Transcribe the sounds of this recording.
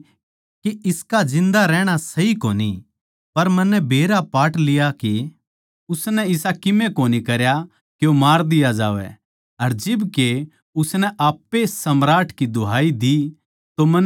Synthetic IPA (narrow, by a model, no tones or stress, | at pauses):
kiɪskad͡ʒɪ̃nd̪aɾɛːɽ̃asɐɦikoːnḭ | pɐɾmɐnːɛbʱeːɾapaːʈlɪjaki | ʊsnɛɪsakɪmẽkoːnikɐɾja | kjomaːɾd̪ɪjad͡ʒa̰ːʋɛ̰ | ɐɾd͡ʒɪbke | ʊsnɛʔaːpːesɐmɾaːʈkid̪ʊɦaːid̪i | t̪omɐ̃n